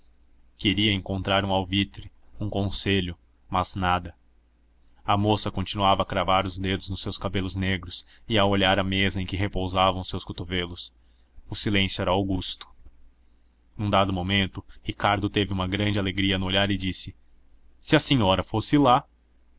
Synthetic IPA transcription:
keɾiɐẽŋkõnt̪ɾaɾũawvit̪ɾɪũkõseʎʊ | mɐznad̪ɐ | ɐmosɐkõnt͡ʃinuavɐːkɾavaɾʊzd̪ed̪ʊznʊsːewskabelʊzneɡɾʊs | ɪawoʎaɾɐmezɐẽkɪɦepowzavɐ̃w̃sewskot̪ovelʊs | ʊsilẽsjuɛɾɐawɡust̪ʊ̥ | nũd̪ad̪ʊmomẽnt̪ʊhikaɾd̪ʊt̪evɪũmɐɡɾɐ̃nd͡ʒɪaleɡɾiɐnʊoʎaɾɪd͡ʒisɪ | sɪɐseɲɔɾɐfosɪla

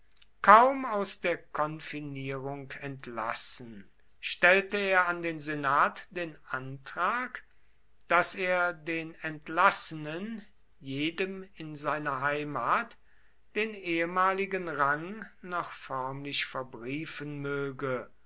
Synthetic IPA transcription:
kʰaʊmaʊsd̥eːɐkʰɔnfiniːʁʊŋkɛntʰla̰sn̩ | ʃtɛltəeːɐandeːnzenaːtd̥eːnʔantʁ̥aːk | d̥aseːɐdeːnɛntlasənən | jeːdəmɪnzaɪnɐɦaɪmaːt | d̥eːneːəmaːlɪɡənʁaŋnɔχfɔɐmlɪʃfɛɐbʁiːfənmøːɡə

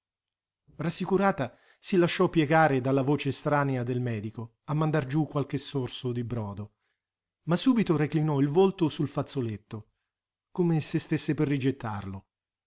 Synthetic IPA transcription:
rasːikuɾaːt̪a | silaʃːɔpːjɛɡaːɾed̪alːavoːt͡ʃeːst̪ɾaːnead̪elmɛːd̪iko | amːand̪ard͡ʒukːwalk̟esːorsod̪ibɾɔːd̪o | masːuːbit̪oɾeklinɔilvolt̪osulfat̪sːolet̪ːo | komesest̪esːeperːid͡ʒet̪ːa̰rlo

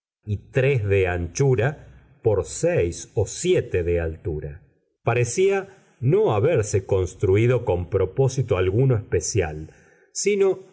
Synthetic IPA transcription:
it̪ɾezðeant͡ʃuɾa | po̞ɾsejsosjet̪eðealt̪uɾa | paɾesia | noaβeɾseko̞nst̪ɾuið̞o̞ko̞mpɾo̞po̞sit̪oalɣunoehspesja̰l | sino̞

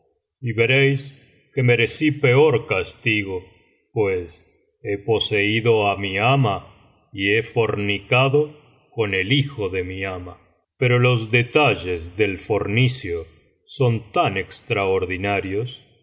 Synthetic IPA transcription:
iβe̞ɾejs | ke̞me̞ɾe̞sipe̞o̞ɾkast̪iɣo̞ | pwes | e̞po̞seiðo̞amiama | ie̞fo̞ɾnikaðo | ko̞ne̞lixo̞ðe̞miama | pe̞ɾo̞lo̞zðet̪aʒe̞zðe̞lfo̞ɾnisjo | so̞nt̪anekst̪ɾaoɾðinaɾjo̞s

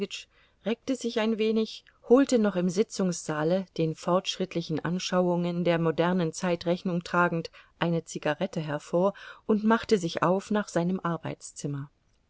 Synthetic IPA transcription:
ɪt͡ʃ | ʁɛːk̚təzɪçaɪnveːnɪç | hoːltənɔχɪmzɪt͡sʊŋsz̥aːləd̥eːnfɔɐtʃʁ̥ɪtlɪçn̩ʔa̰nʃaʊʊŋəndeːɐmodɛɐnənt͡saɪtʁɛçnʊŋtʁ̥aːɡŋ̩tʔaɪnət͡siɡaʁɛtəɦɛɐfoːɐʔʊntmaχtəzɪçʔa̰ʊfnaːχz̥aɪnəmʔaɐbaɪt͡st͡sɪmɐ

